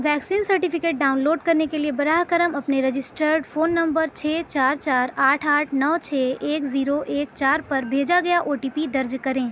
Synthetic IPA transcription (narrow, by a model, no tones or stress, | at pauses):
ʋɛːksiːnsɐɾʈɪpʰɪkeːʈ̚ɖaːʊ̃nloːɖ̚kɐɾnekeliebɐɾaɦkəɾəmɐpneɾɐd͡ʒɪsʈəɾɖfʰoːnːɐ̃mbəɾt͡ʃʰɛːt͡ʃaːɾt͡ʃaːɾaːʈʰaːʈʰnɔːt͡ʃʰɛːeːkziːɾoʔeːk̚t͡ʃaːɾpɐɾbʱeːd͡ʒaɡɐjaʔoːʈiːpid̪ɐɾd͡ʒkɐɾẽː